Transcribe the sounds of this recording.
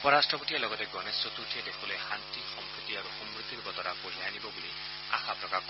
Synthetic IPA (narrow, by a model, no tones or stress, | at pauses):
ɔpɔɾasʈɾɔboʈijalɔɡɔt̪eɡɔnesot̪uʈʰied̪ekʰulehant̪ixɔmpɾut̪ːiaɾuxɔmɾut̪ːiɾbɔt̪ɔɾapod͡ʒʱajanibɔbuli | a̰xʰapɾɔkakʰɔ